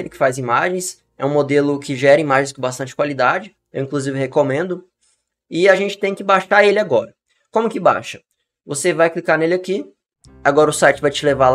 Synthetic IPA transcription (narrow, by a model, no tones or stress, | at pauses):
elɪkɪ̥fajzimaʒẽj̃s | ɛ̰ũmod̪elʊkɪʒɛɾɐimaʒẽj̃s̬kõbast̪ɐ̃nt͡ʃɪkwalid̪ad͡ʒɪ | ewĩkluzivɪhekomẽnd̪ʊ | ɪaʒẽnt͡ʃɪ̥t̪ẽj̃kɪbaʃaelɪaɡɔɾɐ | kõmʊkɪba̰ʃɐ̥ | vosevajklikanelɪaki | aɡɔɾɐʊsajt͡ʃɪvajt͡ʃɪleval